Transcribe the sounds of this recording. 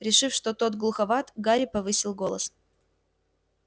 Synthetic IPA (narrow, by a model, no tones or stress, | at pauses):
ɾʲɪʂɨfʂt̪ot̪o̞t̪ɡlˠʊxɐvat̪ɡaɾʲɪpɐvɨsʲɪlˠɡo̞lˠə̰s